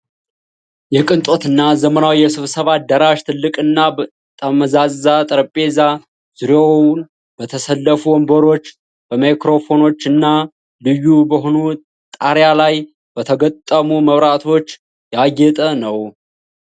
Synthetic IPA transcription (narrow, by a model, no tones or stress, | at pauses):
jɛkʼɨnt̪ʼo̞t̪ɨnːazəmənawjɛsɨβsəβad̪əɾaʃt̪ʰɨlːɨkʼɨnːa | t̪ʼəməzazat̪ʼəɾəpʼe̞za | z̥ɨɾown | b̥ət̪ʰəsəlːəfuwɔmbəɾo̞t͡ʃː | bəmajkɾo̞fo̞no̞t͡ʃːɨnːa | lɨjːubəɦonu | t̪ʼaɾjalaj | b̥ət̪ʰəɡət̪ʼːəmuməβɾat̪ʰo̞t͡ʃː | jaɡɛt̪ʼənəw